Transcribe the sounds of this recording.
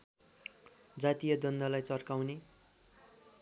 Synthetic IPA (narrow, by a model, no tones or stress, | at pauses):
d͡zat̪ijʌd̪ʌnd̪ʌlajt͡sʌrkawne